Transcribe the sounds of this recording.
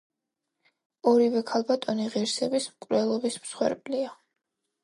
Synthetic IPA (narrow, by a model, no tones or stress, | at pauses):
ɔɾivɛkʰalˠbat̪ʼɔniʁiɾsɛbismkʼɾɛlˠɔbismsχwɛ̰ɾpʼlia